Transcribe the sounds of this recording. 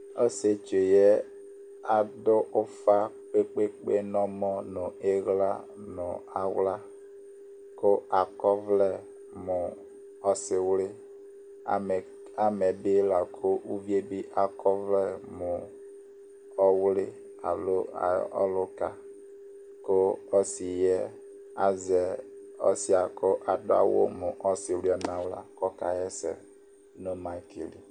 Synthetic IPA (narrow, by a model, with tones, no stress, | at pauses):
ɔ˦se˦t͡ʃe˨jɛ˦ | a˦˨dʊ˦ʔʊ˦fa˦k͡pe˦k͡pe˦k͡pe˦nɔ˦mɔ˦nʊ˨e˦ɣla̰˦ | nʊ˨a˨wla˦ | ko˦a˨kɔ˦vlɛ˦˨ | mʊ˨ | ɔ˦sɪ˨wlɪ˦˨ | a˦mɛ˨bi˦la˨kʰo˦ʔu˦vje˦bi˦ʔa˨kɔ˦vlɛ˦mʊ˨ | ɔ˦wlɪ˦ | a̰˨lo̰˦˨ɔ̰˦lʊ˦ka˨ | ko˦ɔ˦si˨jɛ˦ | a˦zɛ˨ɔ̰˦si˦a˨ko˦ʔa˨dʊ̰˦a̰˦wo̰˦mʊ˨ʔɔ˦sɪ˨wli˦a˨nã˨wla̰˦kɔ˦ka˨jɛ˦sɛ̰˨ | no˦ma˦i˦ki˨li˨